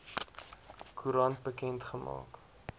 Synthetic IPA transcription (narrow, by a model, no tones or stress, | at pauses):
kʰuɾɐnt̚bəkɛntχəmɑ̰ːk